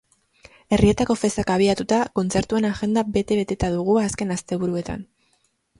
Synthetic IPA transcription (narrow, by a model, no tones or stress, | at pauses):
e̞rie̞t̪ako̞fe̞st̪akaβ̞iat̪ut̪ako̞nt͡se̞ɾt̪ue̞naʝe̞nd̪abe̞t̪e̞βe̞t̪e̞t̪aðuɣ̞uaske̞nast̪e̞βuɾue̞t̪a̰n